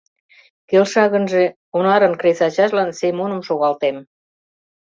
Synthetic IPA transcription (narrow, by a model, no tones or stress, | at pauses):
kelʃɑɣə̆nʒe | onɑɾənkɾesɑt͡ɕɑʃlɑnsemunə̆mʃoɣɑlt̪em